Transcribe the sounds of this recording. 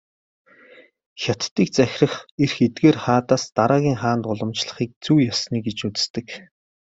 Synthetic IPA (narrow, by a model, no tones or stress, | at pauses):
xʲat̪ːiːk̚t͡sæxʲrə̆χerxet̪̚ɡeːrχaːt̪aːst̪aɾaːɣʲiːŋχaːnt̪ʊɮə̆mt͡ɕɮə̆χiːk̚t͡suːjasniːɡet͡ɕut͡sɘ̥̆st̪ɘ̆k